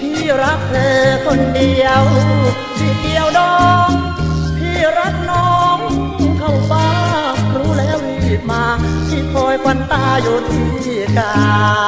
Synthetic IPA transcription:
p̪ʰiː˧˩ɾa˦˥k̚t̪ʰɤː˧kʰo˧˩ndi˧əw | t̪ʰiː˧˩k̪i˧əwdɔː˧˩k̚ | t̪ʰiː˧˥˩ɾa˦˥k̪̚nɔː˦˥ŋ | kʰa˧˩wpaː˧˩ɾuː˦˥lɛː˦˥wi˧˩t̪̚maː˧t̪ʰiː˧˥˩kʰɔː˧jka˧nt̪aː˧˩joː˧˩t̪ʰɯ˨˩˦ŋt̪ʰiː˧˩kaː˧

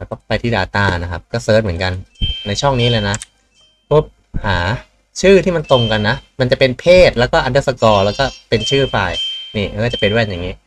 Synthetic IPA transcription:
kɔ˥˩pa˧jt̪ʰiː˥˩daː˧t̪aː˥˩na˦˥kʰa˦˥p̚kɔː˥˩sɤː˦˥t̪̚mɯ˩˦nka˧nːa˧jt͡ɕʰɔ˥˩ŋniː˦˥lɤː˧jna˦˥ | pʰo˦˥˩p̚ | haː˩˦ | t͡ɕʰɯː˥˩t̪ʰiː˥˩ma˧nt̪o˧ŋka˧nːa˦˥ʔma˧nt͡ɕa˨˩pe˧npʰeː˥˩t̪̚lɛ˦˥wkɔː˥˩ʔa˧ndɤː˦˥˩sa˧kɔː˧lɛː˦˥wkɔː˥˩pe˧nt͡ɕʰɯː˥˩faː˧jniː˥˩˦kːt͡ɕa˨˩pa˧jdu˥˩˨a˧njaː˨˩ŋiː˦˥

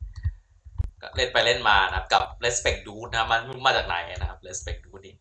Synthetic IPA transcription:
kɔ̰˥˩le˥˩npa˧jle˥˩nmaː˧na˦kʰa˦˥p̚ka˨˩p̚le˦˥spe˨˩k̚duː˦˥t̪̚na˦˥ma˧nu˥˩maː˥˩t͡ɕaː˨˩k̚na̰˩˦ja˧˩na˦˥kʰa˦˥p̚le˦˥spe˨˩k̚duː˨˦˥t̪̚niː˦˥˩

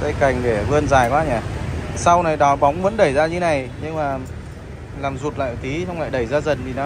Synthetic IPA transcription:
t̪ə˧jka˨˩jŋ̟ɗe˧˩vɨ˧ənzaː˨˩jkwaː˧˦ɲaː˨˩sa˧wna˨˩jɗɔ˨˦ɓa˨˦wŋ͡mvə̰˧˥nɗə˧˩jzaː˧ɲɨ̰˧˦na˨˩jɲɨ˧ŋmaː˨˩ | laː˨˩mzu˨˩t̚la̰ː˧˨˩t̪i˨˦sə˧wŋ͡mla̰ː˧˨jɗə˧˩jzaː˧zə˨˩nt̪ʰi˨˩na˨˦

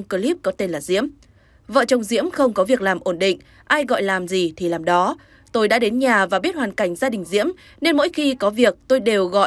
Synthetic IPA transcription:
ŋ͡mkə˧li˦˥p̚kɔ˨˦t̪e˧nlaː˨˩zḭ˧˥əm | və̰ː˧˨t͡ɕɔ˧wŋ͡mzḭ˧˥əmxə˧wŋ͡mkɔ˨˦vi˨˩ək̚laː˨˩mʔo˧˩nɗḭ̈˧˨ŋ̟ | ʔaː˧jɣɔ̰˧˨jlaː˨˩mzi˨˩t̪ʰi˨˩laː˨˩mɗɔ˨˦ | t̪o˧jɗa̰ː˧˥ɗe˨˦nɲaː˨˩vaː˨˩ɓi˦˥ət̚haː˨˩nka˧˩jŋ̟zaː˧ɗï˨˩ŋ̟zḭ˧˥əm | ne˧nmo̰˧˥jxi˧kɔ˨˦vi˨˩ək̚t̪o˧jɗe˨˩wɣɔ̰˧˨

